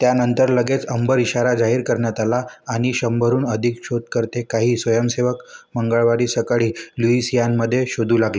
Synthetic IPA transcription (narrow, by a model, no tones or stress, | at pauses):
t̪janənt̪əɾləɡet͡səmbəɾiɕaɾad͡zaɦiːɾkəɾɳjat̪alaːɽ̃iɕəmbʱəɾuːnəd̪ʱikɕot̪̚kəɾt̪ekaɦiːsʋəjəmseʋəkməŋɡəɭʋaɾiːsəkaɭiːluisijanməd̪ʱːjeɕod̪ʱuːlaɡle